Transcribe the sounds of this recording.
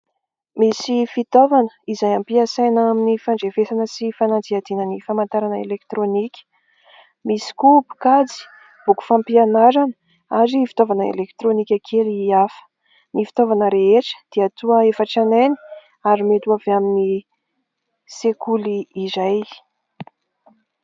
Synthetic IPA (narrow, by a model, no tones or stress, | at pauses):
misifit̪ovanə̥izajampiasajnaminifaɳɖ͡ʐevesanəsifanand͡ziad̪inənifamant̪aɾanəḛlekt̪ɾonikʲə̥ | misi̥kupu̥kad͡zi̥ | b̥uku̥fãmpianaɾanə̥ | aɾifi̥t̪ovanəḛlekt̪ɾonikʲakʰeliafə̥ | nifi̥t̪ovanəɾeeʈ͡ʂə̥d̪̥iat̪uəefəʈ͡ʂanani̥ | aɾimet̪uaveamini | sekuliːzaj